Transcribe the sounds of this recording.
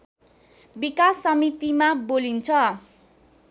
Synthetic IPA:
bikasːʌmit̪imabolint͡sʰʌ

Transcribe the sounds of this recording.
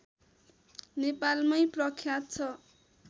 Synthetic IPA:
nepalmʌjprʌkʰjat̪̚t͡sʰʌ

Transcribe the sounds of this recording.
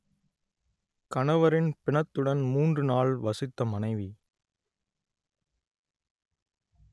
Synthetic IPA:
kɐɳɐʋɐɾɪnpɪɳɐt̪ːɯɽɐnmuːndrɯnaːɭʋɐsɪt̪ːɐmɐnɐɪʋi

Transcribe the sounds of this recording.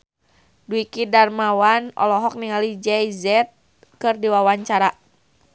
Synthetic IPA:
duikidarmawanɔ̰lɔɦɔk̚niŋalid͡ʒɛjzɛt̪̚ | kɨrdiwawaɲt͡ʃaɾa

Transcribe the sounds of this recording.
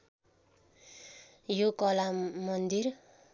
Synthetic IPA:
jokʌlamʌnd̪ir

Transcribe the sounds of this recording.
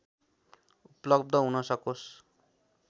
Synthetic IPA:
uplʌb̚d̪ʌɦunʌsʌkos

